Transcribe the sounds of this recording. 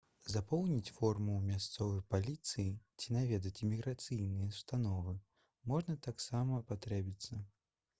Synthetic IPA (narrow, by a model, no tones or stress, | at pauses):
zapɔwnʲit͡sʲfɔrmuwmʲast̪sɔvɨjpalʲit̪sɨjit͡sʲinavʲɛd̪ɐt͡sʲimʲiɣɾat̪sɨjnɨjɐst̪anɔvɨ | mɔʐnɐt̪aksamɐpat̪ɾɛbʲit̪sːɐ